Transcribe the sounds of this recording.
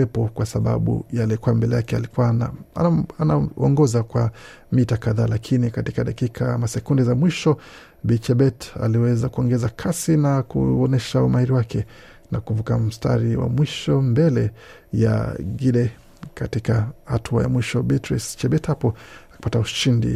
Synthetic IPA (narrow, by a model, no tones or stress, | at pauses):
ɛpɔkwasaɓa̰ɓṵjalɛkuambɛlɛjakɛa̰likuwan | anaɔŋɡɔzakwa | mitakaðaːlakʰinikatikaɗakikʰamasɛkundizamwiʃɔ | bit͡ʃɛɓɛta̰liwɛzakuɔŋɡɛzakʰasinakṵɔnɛʃaumahiɾiwakɛ | nakuvukam̩sta̰ɾiwa̰mwiʃɔmbɛlɛ | ja̰ɡiɗɛ | katikahatʰua̰ja̰mwiʃɔbitɾist͡ʃɛɓɛthapɔaki̥patauʃindḭ